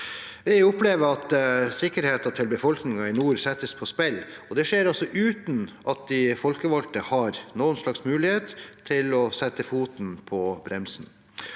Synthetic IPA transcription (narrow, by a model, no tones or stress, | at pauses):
ʋɪʊpleːʋəɑt̪sɪkːəɾheːt̪ɑt̪ʰɪlbəfɔlknɪŋɑɪnuːɾsɛt̪ːəspʰɔspɛl | ɔd̪ɛʂeːɾɔsɔʔʉːt̪n̩ʔɑt̪̚d̪ɪfɔlkəʋɑlt̪əhɑɾnoːənsɭɑksmʉːlɪheːt̪t̪ʰːɪlɔsɛt̪ːəfuːt̪npʰɔbɾɛmsn